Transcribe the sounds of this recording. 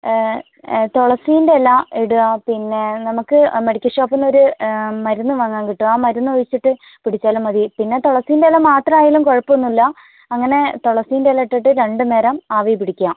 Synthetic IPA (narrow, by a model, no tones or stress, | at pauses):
t̪oɭɐsijindeelːɐeɽuʋɐpinːe̞nɐmukːɨmɐɽikʲːɐʂoːpːinːo̞ɾumɐɾunːuʋɐŋːaːŋkiʈːuaːmɐɾunːuʋɐjit͡ɕːiʈːɨ | piɽit͡ɕːaːlumːɐðipinːe̞t̪oɭɐsijindelːɐmːaːt̪rɐmaːjaːlumkoɻɐpːonːilːɐ | ɐŋːɐne̞t̪oɭɐsijndelːɐiʈːiʈːɨɾe̞ɳɖɨne̞ːɾɐmaːʋɐjpiɽikʲːujaːm